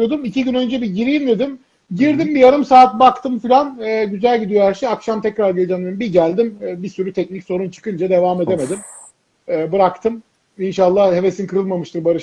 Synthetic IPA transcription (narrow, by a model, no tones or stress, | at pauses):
o̞d̪umicʰiɟynø̞nd͡ʒɛbiɟiɾijimd̪e̞d̪im | ɟiɾd̪imbijaɾɯmsaːt̪̚bakt̪ʰɯmfilʲanɛːɟyzælʲɟid̪ijoæɾʃejakʃamt̪ʰɛcɾaɾɡelʲd͡ʒanɯmbiɟælʲd̪imːbisyɾyt̪ʰɛc̚nicso̞ɾunt͡ʃʰɯ̥kɯnd͡ʒad̪e̞vaːme̞d̪e̞me̞d̪im | ɛːbɯɾakt̪ʰɯm | inʃalˠːahhe̞ve̞sinkʰɯɾɯlˠmamɯʃt̪ɯɾbaɾɯʃ